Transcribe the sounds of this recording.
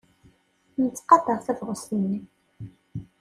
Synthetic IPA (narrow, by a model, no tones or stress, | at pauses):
nət͡sːqɑd̪əʁθævʁəsənːi